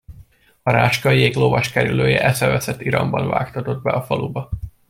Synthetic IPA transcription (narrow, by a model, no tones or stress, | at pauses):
ɒɾaːʃkɒjeːklovɒʃkɛɾyløːjɛʔɛsɛvɛsɛt̪ːiɾɒmbɒnva̰ːkt̪ɒt̪o̞d̪̚bɛɒfɒlubɒ